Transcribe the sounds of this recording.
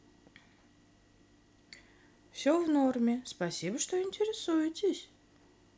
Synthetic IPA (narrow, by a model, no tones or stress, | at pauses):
fsʲovnormʲɪspɐsʲibəʂt̪o̞ɪnʲtʲɪɾʲɪsujɪtʲɪsʲ